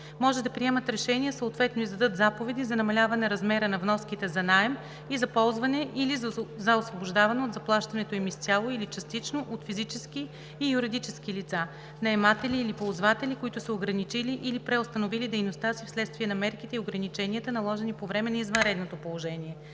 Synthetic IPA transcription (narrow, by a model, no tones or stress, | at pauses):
mɔʒɛd̪ɐpɾiɛmət̪ɾɛʃɛniəsoot̪vɛt̪noizd̪ɐd̪ɤt̪zapovɛd̪izɐnɐmɐlʲavɐnɛɾɐzmɛɾənɐvnɔsk̟it̪ɛzɐnaɛm | izɐpɔlˠzvɐnɛʔilizzɐosvoboʒd̪avɐnɛod̪zɐplˠaʃt̪ɐnɛt̪oimist̪ʲalˠoilit͡ʃɐst̪it͡ʃnoʔot̪fizit͡ʃɛskiː | juɾid̪it͡ʃɛskilit̪sa | nɐɛmat̪ɛliːlipolˠzvat̪ɛlikoit̪ʊsɐoɡɾɐnit͡ʃiliʔilipɾɛost̪ɐnovilid̪ɛjnost̪asifslɛt̪st̪viɛnɐmɛɾkit̪ɛioɡɾɐnit͡ʃɛniət̪ənɐlˠɔʒɛnipovɾɛmɛnɐizvənɾɛd̪not̪opolˠoʒɛniɛ